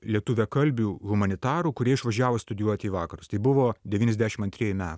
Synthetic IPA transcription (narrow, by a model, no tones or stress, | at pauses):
lʲiɛt̪ʊʋʲɛkɐlʲbʲuːɣʊmɐnʲɪt̪ɑːɾuːkʊɾʲiɛɪʃʋɐʒʲæːʋoːst̪ʊd̪ʲɪjuɔt̪ʲiːʋɑːkɐɾʊst̪ɐɪbʊʋoːd̪ʲɛʋʲiːnʲɛzd̪ʲæːʃʲɪmɐnʲt̪ʲɾʲiɛjumʲæːt̪